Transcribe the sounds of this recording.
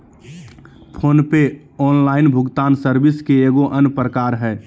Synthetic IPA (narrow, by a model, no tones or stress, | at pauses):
pʰoːnpe | ɔːnlaːɪnbʱʊɡt̪aːnsəɾbɪskeeɡoʔənpɾəkaːɾɦɛ